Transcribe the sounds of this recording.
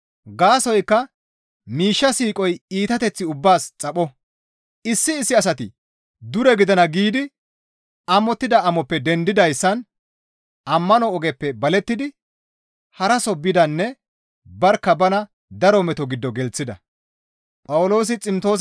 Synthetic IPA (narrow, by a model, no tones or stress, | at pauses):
ɡaːsɔjkːɐ | miːʃːɐsiːkʼɔjiːt̪ɐt̪ɛt͡sːɪʊbːaːst͡sʼɐɓɔ | ɪsːɪːsːɪɐs̬ɐt̪ɪ | d̪ʊɾɛɡɪd̪ɐnɐɡiːd̪ɪ | ɐmɔt̪ːɪd̪ɐɐmɔpːɛd̪ɛnd̪ɪd̪ɐjsːɐn | ɐmːɐnɔːɡɛpːɛbɐlɛt̪ːɪd̪ɪ | hɐɾɐsɔbːɪd̪ɐnːɛ | bɐɾkːɐbɐnɐ | d̪ɐɾɔmɛt̪ɔɡɪd̪ːɔɡɛlt͡sːɪd̪ɐ̰ | pʼɐwʊlo̞ːs̬ɪt͡sʼɪmt̪o̞ːs